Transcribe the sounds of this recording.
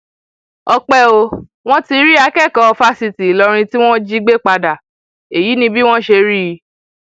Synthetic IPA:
ɔ˧k͡pɛ˦o˧ | w̃ɔ̃˦ti˧ɾi˦a˧kɛ˦˨kɔ˧fa˦si˧ti˨lɔ˧ɾ̃ĩ˧ti˦w̃ɔ̃˦d͡ʒi˦ɡ͡be˦k͡pa˧da˨ | e˨ji˨˦nĩ˧bi˦w̃ɔ̃˦ʃe˧ɾi˦˧

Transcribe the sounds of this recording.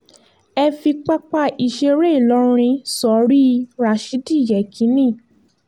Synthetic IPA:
ɛ˧fi˧k͡pa˦k͡pa˦˧i˧˨ʃe˧ɾe˦i˦˨lɔ˨˦˧ɾ̃ĩ˧sɔ˨˦ɾi˦˧ɾa˨ʃi˨˦di˦˨jɛ˨kʰĩ˨˦nĩ˦˨

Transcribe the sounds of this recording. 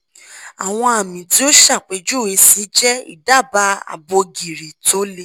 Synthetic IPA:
a˨w̃ɔ̃˧a˨mĩ˨ti˦o˦ʃa˦˨k͡pe˨˦d͡ʒu˦˨e˧˦si˨˦d͡ʒɛ˦ḭ˦˨da˦˨ba˨˦a̰˨bo˧ɡi˨ɾe˨to˦le˦˨

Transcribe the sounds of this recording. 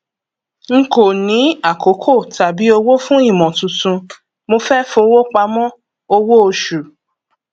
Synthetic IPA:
ŋ̩˦ko˨nĩ˨˦a˦˨ko˨˦kʰo˦˨ta˨bi˨˦o˧wo˦fũ˦i˦˨mɔ̃˨tũ˨tũ˧ | mo˧fɛ˦fũ˧o˧wo˦k͡pa˧mɔ̃˦ | o˧wo˦o˧ʃu˨

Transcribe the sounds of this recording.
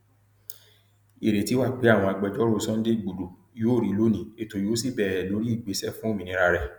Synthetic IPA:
e˨ɾe˨ti˨˦wa˦˨k͡pe˨˦a˦˨w̃ɔ̃˧a˧˨ɡ͡bɛ˧˨d͡ʒɔ˦ɾo˦˧˦sɔ̃˦n̩˦de˦˨ɡ͡bo˨do˨ | jo˦˨ɾi˨˦lo˦nĩ˨˦e˨to˨jo˨˦si˦˨bɛ˦˨ɾɛ˨lo˨˦ɾi˦i˦˨ɡ͡be˨˦sɛ˦˨fũ˦o˦˨mĩ˨nĩ˧˦ɾa˧ɾɛ˨

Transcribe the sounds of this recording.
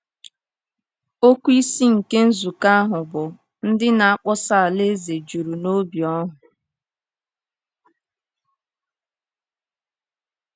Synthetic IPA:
o˦kʷu˦i˦si˦ŋ̩˨ke˦n̩˦zu˨ka˦a˦ɦʊ˨bʊ˨ | n̩˦dɪ˦na˨a˦k͡pɔ˦sa˦a˨le˦ze˨d͡ʒu˨ɾu˨no˦bjɔ˦ɦʊ˨

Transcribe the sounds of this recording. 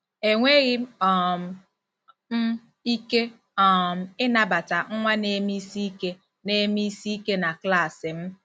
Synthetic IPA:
e˨ŋʷe˦ɣɪ˦ɔ˨m˨ | m̩˦ | i˦ke˦ | ɔ˨m̩˨ɪ˦na˨ba˨ta˨ŋ̩˦ŋʷa˦ne˨˦mi˦si˦i˦ke˦ | ne˦mi˦si˦i˦ke˦na˨kla˦˨sɪ˨m̩˦

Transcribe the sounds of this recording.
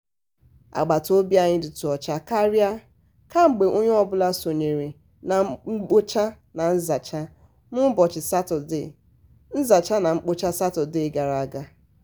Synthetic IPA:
a̰˨ɡ͡ba˨to˦bja˦˨ɲɪ˦dɪ˨tu˨ɔ˨t͡ʃa˦ka˦ɾja˦ | ka˦ŋ͡m̩˨ɡ͡be˨ʔo˦ɲe˦ɔ˦bʊ˦la˦so˨ɲe˨ɾe˨ | na˨ŋ͡m̩˦k͡po˦t͡ʃa˦ | na˨n̩˦za˨t͡ʃa˦ | mʊ˦bɔ˨t͡ʃɪ˨sa˦tʊ˨dɪ̰˨ | n̩˦za˨t͡ʃa˦na˨ŋ͡m̩˦k͡po˦t͡ʃa˦sa˦tʊ˨dɪ˦˨ɡa˨ɾa˨a˨ɡa˦

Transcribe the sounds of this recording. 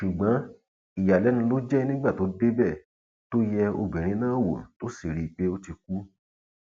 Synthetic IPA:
ʃu˨ɡ͡bɔ̃˨˦ | i˨ja˨lɛ˨˦nũ˧lo˦d͡ʒɛ˦nĩ˦ɡ͡ba˦˨to˨˦de˦bɛ˦˨ | to˦jɛ˧o̰˧ɡ͡bɛ˨ɾ̃ĩ˧˦nãː˦˨wo̰˨to˦si˦˨ɾi˨˦k͡pe˦o˦ti˧ku˦

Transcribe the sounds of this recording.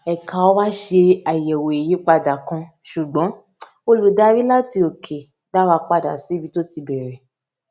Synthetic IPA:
ɛ˨kã˨o˦wa˦ʃe˧a˨jɛ˨wo˨e˨ji˨˦k͡pa˧da˨kã˧ʃu˨ɡ͡bɔ̃˨˦ | o˦lu˨da˦ɾi˦la˦ti˧o˨kʰe˨ | da˦wa˧k͡pa˦˨da˨si˨˦bi˨˦to˦ti˧bɛ˨ɾɛ˨

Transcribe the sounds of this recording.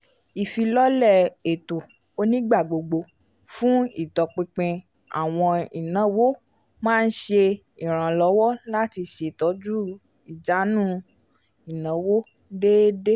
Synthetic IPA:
i˨fi˧lɔ˦lɛ˦˨e˨to˨ | o˧nĩ˦ɡ͡ba˦˨ɡ͡bo˧ɡ͡bo˧ | fũ˦i˦˨tɔ˨k͡pẽ˧k͡pẽ˧ | a̰˦˨w̃ɔ̃˧i˨nã˨˦wo˦ | mãː˦˧n̩˦ʃe˧ | i˨ɾ̃ã˨lɔ˨˧˦wɔ˦la˦ti˧ʃe˨tɔ˨˦d͡ʒu˦ | i˨d͡ʒa˨˦nũ˦ | i˨nã˨˦wo˦ | deː˦de˦

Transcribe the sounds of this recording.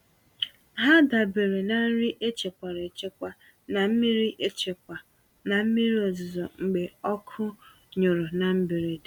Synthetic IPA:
ɦa˦da˨be˨ɾe˨na˨n̩˦ɾi˦ʔe˦t͡ʃe˨kʷa˨ɾe˨t͡ʃe˦kʷa˨ | na˨m̩˦mi˦ɾi˦ʔe˦t͡ʃe˨ka˨ | na˨m̩˦mi˦ɾi˦o˨zʊ˨zɔ˨ŋ͡m̩˨ɡ͡be˨ɔ˦kʰʊ˦ | ɲʊ˨ɾʊ˨na˨m̩˦be˨ɾe˨de˨

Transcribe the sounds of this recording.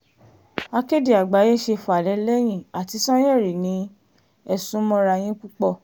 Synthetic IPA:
a˧ke˦di˨a˨ɡ͡ba˨˦je˦˨ʃe˧fɔ˨a˨lɛ˨˧˦lɛ˦j̃ĩ˦˨a˨ti˨˧˦sã˦jeɛ˦˨ɾi˨nĩ˨˧˦ | ɛ˧˨sũ˦mɔ̃˧˦ɾa˧j̃ĩ˦k͡pu˦k͡pɔ˦˨

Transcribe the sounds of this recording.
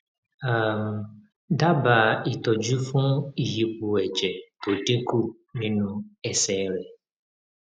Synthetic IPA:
a˨m˨ | da˦ba˨i˨t̪ɔ˨d͡ʒu˦fũ˦i˨ji˨pu˨ɛ˨d͡ʒɛ˨to˨de˦ku˦ | nĩ˦nũ˦ɛ˦sɛ˨˦ɾɛ˨

